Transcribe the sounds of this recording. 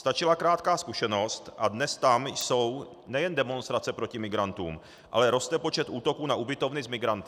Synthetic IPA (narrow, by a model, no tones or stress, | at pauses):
st̪at͡ʃɪlakɾaːt̪kaːskuʃɛno̞st̪ʔadnɛst̪amjso̞w | nɛjɛndɛmo̞nst̪ɾat͡sɛpɾo̞cɪmɪɡɾant̪ṵːm | ʔa̰lɛɾo̞st̪ɛpo̞t͡ʃɛt̪ʔuːt̪o̞kuːnaʔubɪt̪o̞vnɪzmɪɡɾant̪ɪ